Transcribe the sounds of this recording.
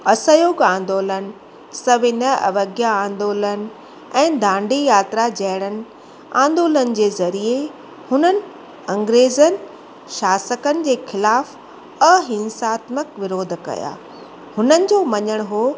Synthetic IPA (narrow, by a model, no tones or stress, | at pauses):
ɐsəjoːɡãːnd̪oːlənɪ̆ | sɐʋɪnəɐ̰ʋəɡjaãːn̆d̪oːlən | ɛ̃ːd̪ʱãːɳɖijaːt̪ɾad͡ʑɐɦɪɽ̃ənɪ̆ | ã̰ːnd̪oːlənɪ̆d͡ʑeːzɐɾie | hʊnənɪ̆ | ɐ̃ŋɡɾeːzənɪ̆ | ʃaːsəkənɪ̆d͡ʑeːxɪlaːf | ɐɦɪ̃nsaːt̪məkʋɪɾoːd̪ʱkɐ̰ja̰ː | hʊnənɪ̆d͡ʑoːmɐɲəɽ̃ɦoː